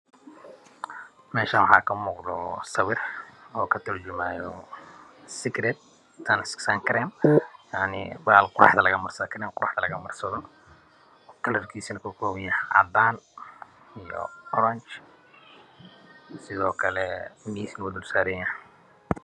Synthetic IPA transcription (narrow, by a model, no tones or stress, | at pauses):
mɛːʃanwɑħɑːkʰɐmɔːqd̪ɔsɐwɪrɔːkʰɐt̪ʰɐrd͡ʒʊmaːjɔ | sɪɡɾɛt̪̚ | t̪ʰɐnsksaŋkʰɐɾɛːnjaʕnɪ̰baːlqʊɾɑ̰ħðɐlɐɣɐmɐrsɐðkʰɾɛːmqʊɾʔɑ̰ħd̪ɐlɐɣɐmɐrsɐðɔ | kʰɐlɐrkʰiːsinɐkʰɔkʰɔːwjɐhɐ̰d̪aːn | ijɔ̰ɔɾɐnt͡ʃ | sɪðɔːkʰɐlɛmiːsnwʊd̪ʊlsaːɾɛjɐh